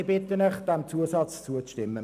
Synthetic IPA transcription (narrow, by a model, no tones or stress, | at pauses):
bɪt̪ənəχd̥ɛmt͡suəsɑt͡st͡suət͡stɪmːə